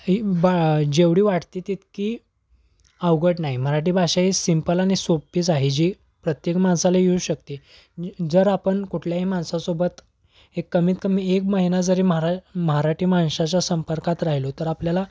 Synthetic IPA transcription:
bad͡ʑeʋɽiːʋaʈʰt̪iːt̪it̪kiː | aʋwɡəʈnaɦim̤əɾaʈ̬iːbʱaɕaisimpəlaɽ̃isopːiːd͡zaɦid͡ʑiː | pɾət̪jekmansalajeuɕək̚t̪i | d͡zəɾapəɳkuʈʰljaɦiːmansasobət̪ | ekːəmiːt̪̚kəmiekməɦinad͡zəɾiːməɦɾaməɦaɾaʈʰiːmanɕat͡ɕasəmpəɾkat̪ɾaɦilot̪əɾapljala

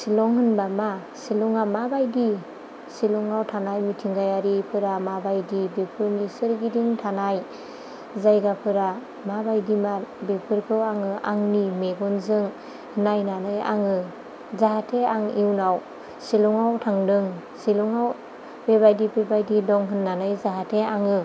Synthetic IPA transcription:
silɔŋɦɯnbama | silɔŋamabajdi | silɔŋawtʰanajmitʰiŋɡajaɾipʰɯɾamabajdibepʰɯɾnisɯɾɡidiŋtʰanaj | zajɡapʰɯɾa | mabajdimabepʰɯɾkʰɯwaŋɯʔa̰ŋnimeɡɔnzɯŋ | hɯnajnanɯja̰ŋɯ | zaɦatʰeaŋiwnaw | silɔŋawtʰaŋdɯŋ | siluŋaw | bebajdibebajdidɔŋɦɯnːanajzaɦatʰeaŋɯ

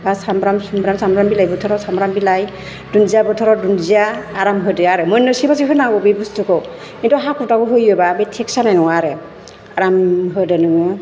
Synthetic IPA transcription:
basambɾamsumbɾamsambɾambilajbɯtʰɔɾɔsambɾambilaj | dunzijabɯtʰɔɾɔdunziaːɾamɦɯdɯaɾɯmɯjnɯsibas̬iɦɯnaɡɔbibustʰɯkɔ | intɔɦakʰɾɔtakuɦɯjɯbabejtʰeksanajnɔŋaɾɯ | aɾamɦɯdɯnɯŋɯ

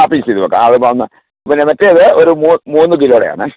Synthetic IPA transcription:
aːpiːsiðuɐkːa̰ɐðɨpaːunːɐ | ɐpːinemɐtːejɐðɨoɾumuːmuːnːɨk̬iloːɽeja̰ːɳɨ

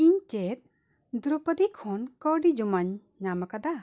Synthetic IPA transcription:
iɲt͡ʃet̪̚ | d̪uɾupəd̪ikʰɔnkəɖid͡ʒumaɲː | amakad̪a

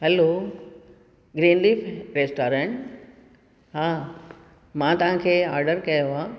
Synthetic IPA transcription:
ɦɛlo | ɡɾiːnliːpʰɾeːsʈoːɾẽɳʈ | ɦãː | mãt̪ɐʋ̤ãkʰeːaːɾɖəɾkɐjoaː

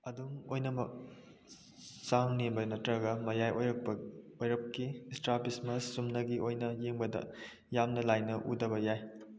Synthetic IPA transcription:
ɐduŋojnɐmɐk̚ | saŋnembɐnɐtɾɐɡɐmɐjajojɾɐk̚bɐojɾɐp̚kistɾapɾismɐsːumnɐɡiʔojnɐjeŋbɐdɐ̰ | jamnɐlajnɐʔudɐbɐjaj

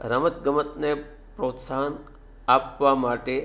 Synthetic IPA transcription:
ɾəmət̪ɡəmət̪ne | pɾot̪saɦən | apʋamaʈe

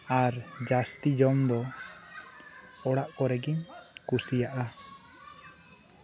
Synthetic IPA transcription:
aɾd͡ʒast̪id͡ʒɔmd̪ɔ | ɔɽaʔkɔɾɛɡiɲkusijaʔa

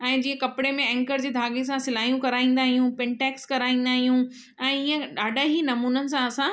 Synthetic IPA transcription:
ɛ̃ːd͡ʑiːə̃kɐpɪɽemẽɛ̃ŋkəɾd͡ʑeːd̪ʱaːɡesãsɪlaːijũkɐɾaːĩːn̆d̪aːɦijũpɪɳʈɛːkskɐɾaːĩːnd̪aːɦijũ | ɛ̃ːiːə̃ɗaːɖʱaɦiːnɐmuːnənɪ̆sãɐsã

